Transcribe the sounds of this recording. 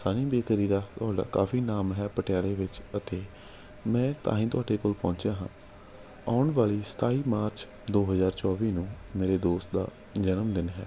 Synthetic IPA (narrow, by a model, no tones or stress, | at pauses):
saːnĩːbeːkəɾiːɾaːt̪ʊaːɖa̰ːka̰ːfʰiːnaːmɦɛːpəʈɪjaːleːʋɪt͡ʃət̪eː | mɛ̃ːt̪ã̰ːɦĩːt̪ʊaːɖeːkoːlpɔ̃ːɲt͡ʃjãːɦãː | aːʊɳʋaːliːsə̥t̪aːiːmaːɾt͡ʃ | d̪oːɦəzaːɾt͡ʃɔːʋiːnũː | meːɾeːd̪oːst̪̚d̪a̰ː | d͡ʒənəmd̪ɪnɦɛː